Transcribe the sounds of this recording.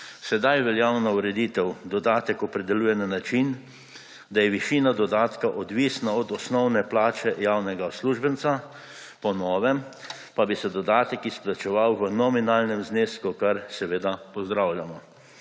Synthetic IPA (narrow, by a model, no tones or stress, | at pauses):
sɛd̪ajʋɛljawnauɾɛd̪iːt̪ɛwd̪ɔd̪aːt̪ɛkɔpɾɛd̪ɛluːjɛnanat͡ʃin | d̪ajɛʋiʃiːnad̪ɔd̪aːt̪kaʔɔd̪ʋiːsnaɔd̪ɔsnɔwnɛplaːt͡ʃɛjawnɛɡasluʒbənt̪sa | pɔnɔːʋɛm | pabisɛd̪ɔd̪aːt̪ɛkisplat͡ʃɛʋawʋənɔminaːlnɛmzneːskukaɾsɛʋeːd̪apɔzd̪ɾawljamɔ